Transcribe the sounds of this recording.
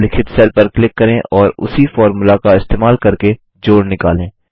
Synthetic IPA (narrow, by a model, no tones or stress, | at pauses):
lɪkʰɪt̪sɛlpɐɾklɪkːɐɾẽʔɔːɾʊ̰sifɔːɾmulakaɪst̪eːmaːlkɐɾke | d͡ʒoːɽnɪkaːlẽː